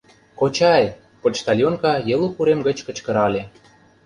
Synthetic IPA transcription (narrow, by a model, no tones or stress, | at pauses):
kot͡ɕɑj | pot͡ɕt̪ɑlʲjonkɑjĕlupuɾemɡə̆t͡ɕkə̆t͡ɕkə̆ɾɑlʲe